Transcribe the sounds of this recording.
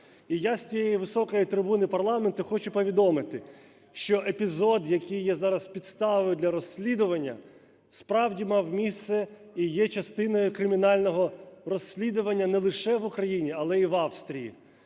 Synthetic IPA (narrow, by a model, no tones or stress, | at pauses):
ijasʲt͡sʲijɛjiʋɪsɔkɔjit̪ɾɪbunɪpɐrlˠɑment̪ʊxɔt͡ʃʊpɔʋʲid̪ɔmɪt̪ɪ | ʃt͡ʃɔʔepʲizɔd̪jɐkijːɛzɑɾɐspʲid̪st̪ɑʋɔjʊd̪lʲɐɾɔsʲlʲid̪ʊʋɐnʲːɐ̰ | spɾɑwdʲimɑwmʲist̪sɛ | ijɛt͡ʃɐst̪ɪnɔjʊkɾɪmʲinɑlʲnɔɦɔrɔsʲːlʲid̪ʊʋɐnʲːɐnɛlˠɪʃɛʋʊkɾɐjinʲiɐlˠɛiʋɑwst̪ɾʲijḭ